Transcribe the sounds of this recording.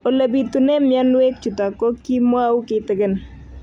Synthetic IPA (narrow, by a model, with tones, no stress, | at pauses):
o˨la˨bi˨tu˨ne˦mɪ˦a˦nwe˦k̚t͡ʃu˨ta˨ko˦ki˦mwa˦u˦kɪtɪ˨kɪ˦n